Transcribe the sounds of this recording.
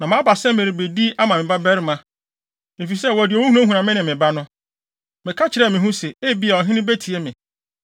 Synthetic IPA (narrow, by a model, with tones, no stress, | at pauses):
nã˨mã˦ba˨sɛ̃˦mɪ̃˨ɾi˨be˨di˦a˦mã˨mɪ̃˨ba˦bɛ˦ɾɪ˦mã˦ | e˨fi˨sɛ˦˨wɔ˨dɪ˨o˨wũ˦hũ˦ã˦ɦũ˨nã˨mɪ̃˦nɪ̃˨mɪ̃˨ba˦nʊ̃˦ | mɪ̃˨kʰa˦t͡ɕʰɪ˨ɾɛ˦˨mɪ̃˨ɦũ˦sɛ˨e˦˨bi˦a˨ɔ˨ɦɪ̃˦nɪ̃˦be˦tʰi˨e˦mɪ̃˨